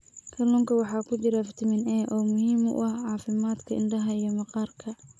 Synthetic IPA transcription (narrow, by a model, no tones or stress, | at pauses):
kʰɐlɔːŋkʰɐwɑħɑːkʰʊt͡ʃɪɾɐfɪt̪ʰɪmɪnɛːʔɔːmʊɦiːmʊ̰ʔʔɐhʕɑːfɪmaːd̪kʰɐɪɳɖɐɦɐijɞmɑqɑːrkʰɐ